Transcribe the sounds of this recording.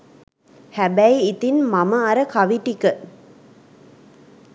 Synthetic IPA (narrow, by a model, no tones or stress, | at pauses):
hæbæjit̪inmaməaɾəkaʋiʈikə